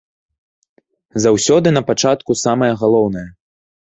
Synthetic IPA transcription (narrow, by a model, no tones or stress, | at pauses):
zawsʲɔd̪ɨnɐpat͡ʂat̪kusamɐjɐɣalˠɔwn̪ɐjɐ